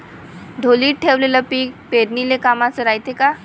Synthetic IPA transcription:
d̪ʱoliːʈ̚ʈʰːeʋleləpiːk̚peɾnilekamat͡səɾajt̪eka

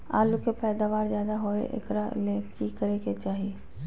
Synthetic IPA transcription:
a̰ːlukepɛːd̪aːʋaːɾzjaːd̪aɦoḛʔɪ̰kɾalekikəɾeket͡ʃaːɦie

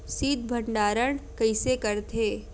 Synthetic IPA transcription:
siːd̪bʱɐɳɖaːɾəɳ̃kɐɪsekɐɾt̪ʰeː

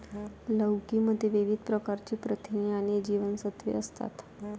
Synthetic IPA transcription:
ləwkiməd̪ʱːjeʋiʋid̪pɾəkaɾt͡ɕiːpɾət̪ʰiniañid͡ʑiʋənsət̪ʋḛəst̪a̰t̪

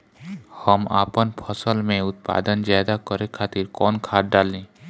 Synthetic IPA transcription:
həma̰ːpənpʰəsəlmẽʊt̪̚pa̰ːd̪ənd͡ʒajd̪akɔɾekʰaːt̪iɾkɔnkʰaːʈ̚ɖalĩ

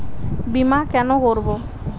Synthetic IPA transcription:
bimakɛnokoɾbo

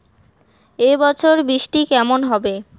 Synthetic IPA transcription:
ebɔt͡ɕʰoɾbɾiʃʈikɛmonɦɔbe

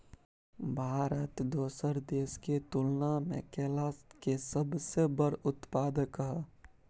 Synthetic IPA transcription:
bʱaːɾət̪d̪oːsəɾd̪eːsket̪ʊlnamḛ̃keːlaːskesəbsebəɽʊt̪paːd̪əkɦə

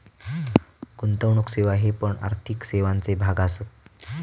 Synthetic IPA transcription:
kunt̪əʋɳukseʋaɦepəɳa̰ɾt̪ʰikseʋant͡sebʱaɡasət̪̚

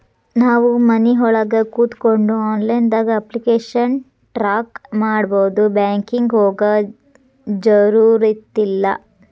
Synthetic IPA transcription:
naːʋumɐniɦɔɭɐɡɐkuːt̪koɳɖuaːnlɐjnd̪aːɡɐɐplikeːʂɐn | ʈɾaːkmaːɽboːd̪ubaːŋkiŋɡɦoːɡɐ | d͡ʒɐɾuːɾit̪ːilːɐ

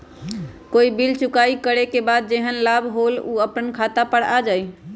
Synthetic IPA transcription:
koibilt͡ʃukaikəɾekebad̪̚d͡ʒeɦənlabɦoluəpənkʰat̪apəɽad͡ʒaj

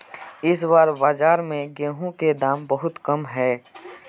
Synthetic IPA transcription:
ɪswaːɾbaːd͡ʒaːɾmẽɡẽːɦũked̪aːmbəɦʊt̪kɐmɦɛː

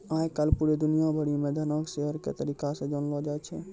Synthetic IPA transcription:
ãjkalpuɾed̪unijabʱəɽiumẽd̪ʱanɔkʃeɦəɾkḛt̪əɾikasẽd͡ʒɔnlɔd͡ʒat͡ʃʰɛ̰

